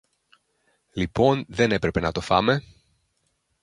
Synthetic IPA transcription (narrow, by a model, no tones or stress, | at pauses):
lipo̞nðe̞ne̞pɾe̞pe̞nɐt̪o̞fɐme̞